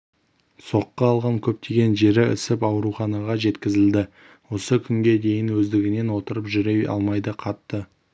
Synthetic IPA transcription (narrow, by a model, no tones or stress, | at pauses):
so̞qːɑːlˠʁɑŋkʲʰɵp̚t̪ʰe̞ɡʲe̞nʒe̞ɾɪɪ̰sɪpɑwɾuχɑnɑʁɑʒe̞t̪kʲɪzɪld̪ɪ | wo̞səkʲʰʏŋɡʲe̞d̪e̞jɪnwɵzd̪ɪɡʲɪne̞nwo̞t̪əɾəpʒʏɾe̞jɑ̰lˠmɑjd̪əqʰɑt̪ːə